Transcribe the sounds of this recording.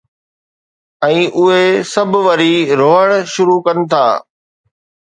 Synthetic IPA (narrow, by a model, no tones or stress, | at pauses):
ɛ̃ːʔʊɦesɐbʱʋɐɾiɾoːɦəɽ̃ʃʊɾukɐnɪ̆t̪ʰaː